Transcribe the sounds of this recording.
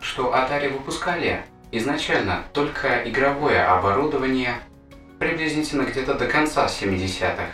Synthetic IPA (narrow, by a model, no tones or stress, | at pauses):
ʂt̪o̞ʔɐt̪alʲɪvɨpʊskalʲɪ | ɪznɐt͡ɕælʲnə̰t̪o̞lʲkʰəʔɪɡɾɐvo̞jəʔɐbɐɾud̪əvənʲɪjə | pɾʲɪblʲizʲnʲɪtʲɪnːəɡdʲet̪əd̪əkɐnt̪safsʲɪmʲɪdʲɪsʲa̰t̪ɨx